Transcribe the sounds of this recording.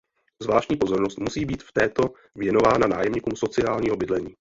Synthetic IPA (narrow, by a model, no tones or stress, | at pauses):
zvlaːʃcɲiːpo̞zo̞ɾnost̪musiːbiːt̪ft̪ɛːt̪o̞ | vjɛno̞vaːnana̰ːjɛmɲikumso̞t͡sɪaːlɲiːɦobɪdlɛɲiː